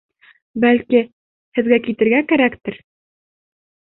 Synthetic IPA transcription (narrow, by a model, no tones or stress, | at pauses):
bælki | hɘ̆ðɡækit̪ɘ̆ɾɡækæɾækt̪ɘɾ